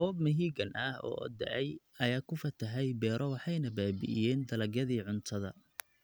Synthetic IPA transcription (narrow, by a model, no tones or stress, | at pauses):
ɔːbmɐɦiːɡɐnʔɐhɔ̰ːɔ̰d̪ɐ̰ʕɛj | ɐjaːkʰʊfɐt̪ʰɐɦɛjbɛːɾʔɔwɑħɑjnɐbaːbɪ̰ʔɪ̰jɛːnd̪ɐlɐɡjɐðiːʕʊnt̪ʰɐðɐ